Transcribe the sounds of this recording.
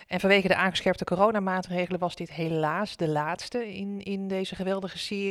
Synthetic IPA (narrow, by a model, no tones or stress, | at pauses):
ʔɛnvɑnʋejχədəʔaːŋχə̥sχɛɹp̚təkoːrownaːmaːtrejχələʋɑzdɪtɦelaːzdəlaːtstəɪnɪndejzəχəʋɛlˠdəχəsɪː